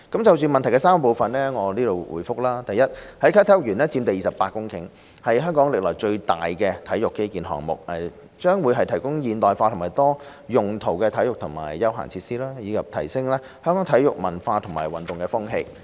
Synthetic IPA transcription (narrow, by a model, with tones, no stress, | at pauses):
kɐ˨˥mt͡sɐ˨wsyː˨nmɐ˨nt̪ʰjkɛ˧saː˥m˨po˨wfɐ˨nlɛː˥ŋɔː˨˧liː˥ɾo˨wwṵ˨˩jfʊ˥k̚laː˥t̪ɐ˨jɐ˥t̚hɐ˨˥jkʰaː˥t̪ʰjʊ˨k̚jyː˨˩nɛː˥t͡siː˧mt̪ɐ˨jːiː˨sɐ˨pːaː˧t̚kːʊ˥ŋkʰɪ̰˨˥ŋ | hɐ˨jɦœː˥ŋkɔː˨˥ŋlɪ˨k̚lɔː˨˩jt͡ʃɵ˧ɥt̪a̰ː˨jkɛː˧t̪ʰɐ˨˥jʊ˨kːe˥kiː˨nɦɔ̰ː˨˩ŋmʊ̰˨k̚ɛ˨˩ | t͡ʃœː˥ŋwuː˨˧jɦɐ˨jt̪ʰɐ˨˩jkʊ˥ŋjiː˨nt̪ɔː˨jfaː˧tʰʊ˨˩ŋmaː˨jt̪ɔː˥ | jʊ˨˩ŋt̪ʰo˨˩wkɛː˧t̪ʰɐ˨˥jʊ˨k̚t̪ʰʊ˨˩ŋma̰ː˨˩jːɐ˥wɦɐ̰˨˩ŋt͡sʰiː˧tsiː˥laː˥jiː˨˧kʰɐ˨p̚t̪ʰɐ̰˨˩jsɪ˥ŋlaː˥ | hœː˥ŋkɔː˨˥ŋt̪ʰɐ˨˥jʊ˨k̚mɐ˨˩nfaː˧t̪ʰʊ˨˩ŋma̰ː˨˩jwɐ˨nt̪ʊ˨ŋkɛː˧fʊ˥ŋɦe˧j